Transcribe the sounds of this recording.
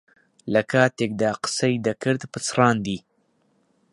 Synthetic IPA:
ləkat̪ɪk̚d̪aqsajd̪akəɾt̪pət͡sɾɑːnd̪i

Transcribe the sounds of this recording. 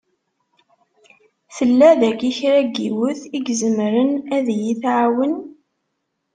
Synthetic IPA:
θəlːæðækiçɾæɡiwəθiɡzəmɾənæðjiθʕawən

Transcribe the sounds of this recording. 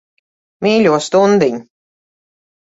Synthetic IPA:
miːlʲuɔst̪und̪iɲ

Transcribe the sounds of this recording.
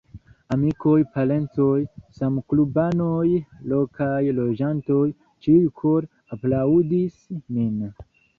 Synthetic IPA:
amiko̞jpale̞ntojsamklubanojlo̞kʰajlo̞d͡ʒanto̞j | t͡ʃijukʰo̞ɾ | aplaudismin

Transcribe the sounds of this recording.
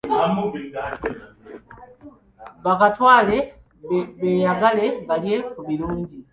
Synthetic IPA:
βakatwaːle̞ | βeːjaɡale̞ɡalje̞kuβiluːɲɟi

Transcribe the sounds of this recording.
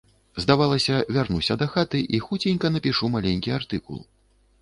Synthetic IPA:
zd̪avalˠɐsʲɐvʲarnusʲɐd̪ɐxat̪ɨʔixut͡sʲenʲkɐnɐpʲiʂumalʲenʲkʲiart̪ɨkṵlˠ

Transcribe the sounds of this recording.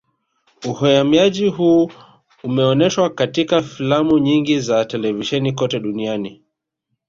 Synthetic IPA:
uhɔjamiaʄiɦuː | umɛɔnɛʃwakatikafilamuɲiŋɡizatɛlɛviʃɛnikɔtɛɗuniani

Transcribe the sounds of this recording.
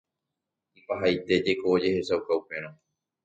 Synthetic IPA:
mpaɦajt̪e̞d͡ʒekoːd͡ʒe̞he̞sawkaupẽ̞ɾ̃õ

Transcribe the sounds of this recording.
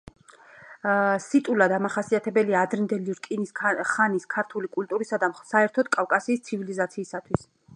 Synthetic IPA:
sit̪ʼulad̪amaχasiat̪ʰɛbɛliaːd̪ɾɛnd̪ɛliɾkʼinisχaniskʰaɾt̪ʰulikʼult̪ʼuɾisad̪amsaɛɾt̪ʰɔd̪̥̚kʼafkʼasiːst̪sʰivilizat̪sʰiːsat̪ʰwis

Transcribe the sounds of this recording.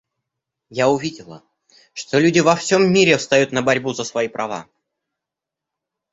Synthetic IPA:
jaʊvʲidʲɪlˠə̰ | ʂt̪olʲudʲɪvɐfsʲomːʲiɾʲɪfst̪ɐjut̪nəbɐɾʲbuzəsvɐipɾʔɐva̰

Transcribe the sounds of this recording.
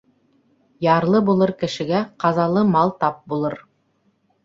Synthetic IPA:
jɑɾlˠɤbulˠɤɾkɘ̆ʃɘ̆ɡæqɑzɑlˠɤmɑlˠt̪ɑp̚bulˠɤɾ

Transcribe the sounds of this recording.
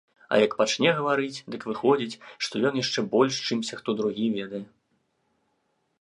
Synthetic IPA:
ɐ̰jɐkpat͡ʂnʲɛɣɐvaɾɨt͡sʲd̪ɨkvɨxɔd͡zʲit͡sʲʂt̪ɔjɔnjaʂt͡ʂɛbɔlʲʂt͡ʂɨmsʲɐxt̪ɔd̪ɾuɣʲivʲɛd̪ɐjɛ

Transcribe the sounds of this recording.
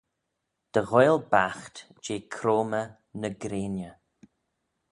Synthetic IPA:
d̪̥əɣɔjlbaxt̪ | d͡ʒeːkʰɾoːmə | nəɡɾeːnjə

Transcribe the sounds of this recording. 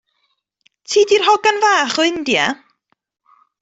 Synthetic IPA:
tʰiːdirɦɔɡanvaːχɔɪndja

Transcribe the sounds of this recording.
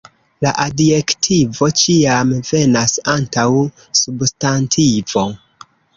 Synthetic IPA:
laʔadje̞ktʰivo̞t͡ʃiamve̞nasantaw | substantʰivo̞

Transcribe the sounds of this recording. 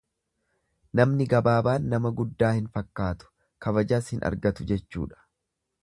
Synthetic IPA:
nɐmnɪɡɐbaːbaːnːɐmɐɡʊd̪ːaːhɪnfɐkːaːt̪ʊ̥ | kɐbɐd͡ʒaːshɪnʔɐ̰ɾɡɐt̪ʊd͡ʒɛt͡ʃːṵːᶑɐ̥

